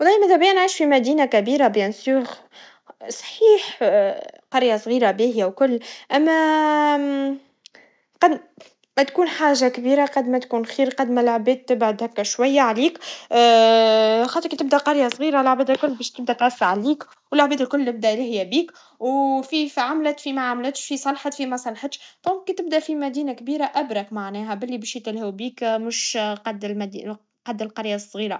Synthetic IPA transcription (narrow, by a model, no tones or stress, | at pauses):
wlːˤɑːjmæðæbjænʕiːʃfimæd̪iːnakæbiːɾabjænsuːɣ | sˤħiːħ | qɑɾjasˤɣiːɾabiːhɪjawkʊlːʔæmːæ | qɑd̪ | mæt̪kuːnħaːʒakbiːɾaqɑd̪mæt̪kuːnxiːɾqɑd̪mælʕbɛːt̪̚ːɪbʕʊd̪hækːæʃwæjːaʕaliːk | xɑːt̪ˤɾkit̪b̚d̪æqɑɾjasˤɣiːɾalʕbɛːd̪əlkʊlːbɛːʃt̪ɪb̚d̪æt̪ʕæfːaʕaliːk | wəlaʕbɛːd̪əlkʊlːəb̚d̪æʔlhɪjːæbiːk | wfifʕamlæt̪fimæʕamlɪt̪ʃfisˤɑlħɑt̪fimæsˤɑlħət̪ʃd̪̥ɔ̃ːŋkːit̪ɪbd̪æʔfimæd̪iːnakbiːɾaʔæbɾɑkmaʕnɛːɦæbɪlːibɛːʃjt̪ɪlhuwbiːkmʊʃqɑd̪lmæd̪i | qɑd̪ːælqɑɾjasˤːɣiːɾa